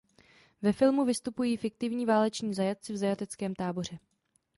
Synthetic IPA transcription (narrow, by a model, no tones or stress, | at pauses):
vɛfɪlmuvɪst̪upujiːfɪk̚t̪ɪvɲiːvaːlɛt͡ʃɲiːzajat̪̚t͡sɪvzajat̪ɛt͡skɛːmt̪aːbo̞r̝ɛ